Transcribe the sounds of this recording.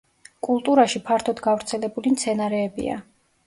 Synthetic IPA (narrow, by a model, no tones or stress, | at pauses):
kʼulˠt̪ʼuɾaʃipʰaɾt̪ʰɔd̪ɡavɾt̪sʰɛlɛbulimt̪sʰɛnaɾɛːbḭa̰